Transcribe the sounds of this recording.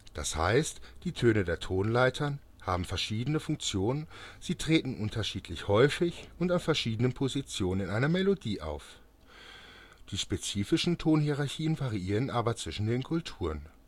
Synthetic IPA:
d̥a̰sha̰ɪstd̥iːtʰøːnədeːɐtʰoːnlaɪtʰɐn | haːbm̩fɛɐʃiːdənəfʊŋkt͡sjoːnənz̥iːtʁ̥eːtn̩ʔʊntʰɐʃiːtʰlɪçhɔʏfɪçʊntanfɛɐʃiːdənənpʰozit͡sjoːnənɪnʔaɪnɐmelodiːʔa̰ʊf | d̥iːʃpet͡siːfɪʃn̩tʰoːnhiʁaɐçiːənvaʁiʔiːʁənʔaːbɐt͡sv̥ɪʃn̩deːnkʰʊltʰuːʁən

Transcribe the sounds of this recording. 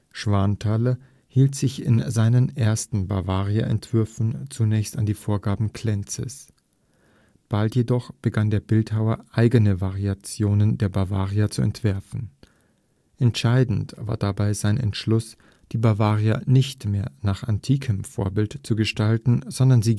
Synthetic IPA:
ʃv̥aɐntʰaːlɐ | hiːltz̥ɪçɪ̰nzaɪnənʔeːɐstn̩baɐvaːʁia̰ʔɛ̰ntv̥ʏɐfn̩t͡sunɛːçstandiːfoːɐɡaːbm̩kʰl̥ɛnt͡sə̰s | b̥altjedɔχb̥əɡandeːɐbɪlthaʊɐʔaɪɡənəvaʁiat͡sjoːnəndeːɐbaɐvaːʁiɐt͡suɛ̰ntv̥ɛɐfn̩ | ʔɛntʃaɪdn̩tv̥a̰ːɐdabaɪzaɪnɛ̰ntʃlʊs | d̥iːbaɐvaːʁiɐnɪçtmeːɐnaːχantʰiːkʰəmfo̰ːɐbɪltt͡suɡəʃtaltn̩zɔndɐnziː

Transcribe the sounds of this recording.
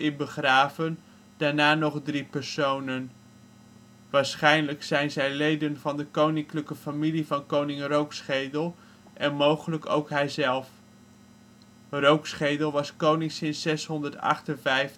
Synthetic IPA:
ɪbəχraːvən | d̥aːɹnaːnɔχdripəɹsownən | ʋaːɹsχɛjnləksɛjnzɛjlejdənvɑndəkownɪŋkləkəfamilivɑnkownɪŋrowksχejdəlˠ | ʔɛnmowχələko̰wkɦɛjzɛlˠf | rowksχejdəlˠʋɑskownɪŋsɪnsɛsɦɔndəɹtɑ̰χtənvɛjf

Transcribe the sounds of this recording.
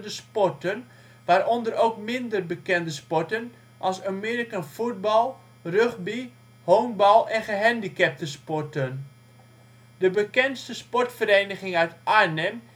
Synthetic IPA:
dəspɔrtən | ʋaːɾɔndəɾowkmɪndərbəkɛndəspɔrtən | ʔɑlˠsamɪːɾikanfud̚bɑlˠ | røχbi | hoːŋbɑlˠɛnχəɦɛndikɛp̚təspɔrtən | d̥əbəkɛnstəspɔrtfəɾejnəχɪŋœɥtanɛm

